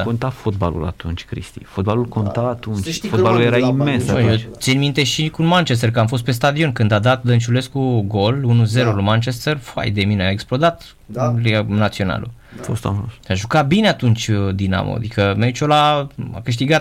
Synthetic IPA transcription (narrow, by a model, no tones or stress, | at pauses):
kont̪afot̪̚ba̰lṵla̰t̪unt͡ʃʲkɾḭst̪ḭfot̪̚balulko̞nt̪aat̪unt͡ʃʲfotballuljeɾaimmensjott̪sinmint̪e̞ʃikunmant͡ʃes̬t̪erkəamfo̞st̪̚pe̞st̪ad̪io̞nkɨnd̪ad̪at̪̚d̪ənt͡ʃule̞skuɡo̞lunuze̞ɾolumant͡ʃest̪erfa̰jd̪emineaeksplo̞d̪at̪ | lnat̪sio̞na̰lṵ | fo̰st̪a̰mosaʒukabineat̪unt͡ʃʲd̪ina̰mo̰a̰d̪ikəmʲait͡ʃolaa̰kɨʃ̬t̪iɡat̪